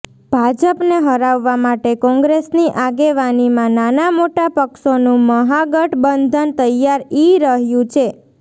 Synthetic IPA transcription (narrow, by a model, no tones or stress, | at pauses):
b̥ʱad͡ʒəpneɦəɾaʋːamaʈekɔ̃ŋɡɾesniʔaɡeʋanimãnanamoʈapəkʃonũməɦaɡəʈbənd̪ʱənt̪əjaɾiɾəɦjũt͡ʃʰe